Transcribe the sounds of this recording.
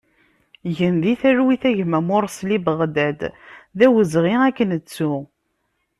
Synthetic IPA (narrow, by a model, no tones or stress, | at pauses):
ʝənðiθæɾwiθæʝmæmʊɾˤslibəʁd̪æd̪ðæwəzʁiækːənət͡sːu